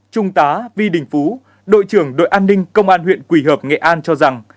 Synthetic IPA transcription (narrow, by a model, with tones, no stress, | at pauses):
t͡ɕʊ˧ŋ͡mt̪aː˨˦vi˧ɗï˨˩ŋ̟fu˨˦ | ɗo̰˧˨jt͡ɕɨ˧˩əŋɗo̰˧˨jʔaː˧nːï˧ŋ̟kə˧wŋ͡mʔaː˧nhwḭ˧˨ənkwi˧˩ɦəː˨˩p̚ŋḛ˧˨ʔaː˧nt͡ɕɔ˧za˨˩ŋ